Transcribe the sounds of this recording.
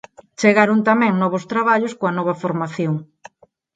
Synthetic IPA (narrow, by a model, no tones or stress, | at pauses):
t͡ʃeɣaɾont̪amɛ̃ŋnɔβost̪ɾaβaʎoskoɐnɔβɐfoɾmaθjoŋ